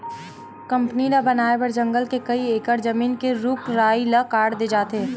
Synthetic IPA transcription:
kɐ̃mpninabɐnaːebɐɾd͡ʒɐ̃ŋɡəlkekɐieːkəɾd͡ʒɐmiːnkeɾʊkɾaːilakaːɾɽd̪ed͡ʒaːt̪eɛ

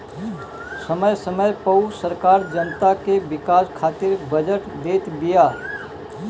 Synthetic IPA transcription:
səməjsəməjpəwsəɾkaːɾd͡ʒənt̪akebɪkaːskʰaːt̪ɪɾbəd͡ʒəʈd̪eːt̪bijaː

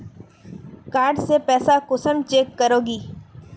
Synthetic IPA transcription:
kaːɾɖsepɛːsakʊsəmt͡ʃeːkːəɾoːɡiː

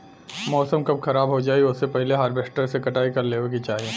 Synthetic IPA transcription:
mɔːsəmkɐb̚xɐɾaːbɦod͡ʒaːiʊssepɛɦleɦaːɾbeːsʈəɾsekɐʈaːikɐɾleːʋekit͡ʃaːɦie

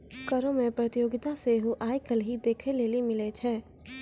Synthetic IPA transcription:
kəɾõmẽpɾət̪ɪjoːɡɪt̪aseɦoʔaːjkəlɦid̪eːkʰeleːlimɪlet͡ʃʰɛː

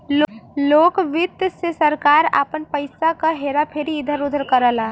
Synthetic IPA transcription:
lloːkʋɪt̪ːsesəɾkaːɾa̰pənpəɪsakaɦeɾapʰeɾiːd̪ʱəɾud̪ʱəɾkəɾəla

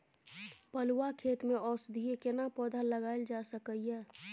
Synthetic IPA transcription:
pəluakʰeːt̪mẽɔːsd̪ʱiekɪnapɔːd̪ʱalːəɡaːɪld͡ʒasəkəjɦɛː

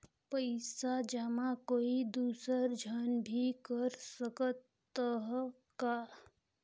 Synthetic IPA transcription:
pəjsad͡ʒamakoːid̪uːsəɾd͡ʒʱənbʱikəɾsəkət̪ː | əɦ | ka

